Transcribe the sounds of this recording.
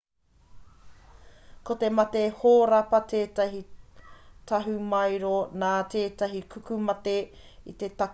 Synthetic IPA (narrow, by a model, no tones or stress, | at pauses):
kot̪e̞mɐtehoːɾɐpɐtʰeːtɐɦi | tʰɐɦumɐjɾonaːteːtɐɦikʰukumɐte̞ | ḭt̪e̞tɐ